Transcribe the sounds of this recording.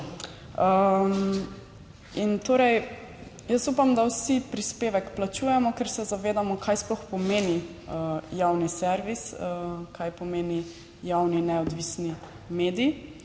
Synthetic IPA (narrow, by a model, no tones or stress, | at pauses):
əm | int̪oːɾɛj | jəsupamd̪awsipɾispeːʋɛkplat͡ʃuːjɛmɔkɛɾsɛzaʋeːd̪amɔkʰajsplɔxpɔmeːni | əjawnisɛɾʋisəkajpɔmeːni | jawninɛɔd̪ʋisni | meːd̪ii